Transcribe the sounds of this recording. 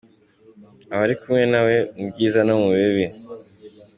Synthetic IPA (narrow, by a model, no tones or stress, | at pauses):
aβaɾikumŋe̞nawe̞ubɟiːzanamuββeβi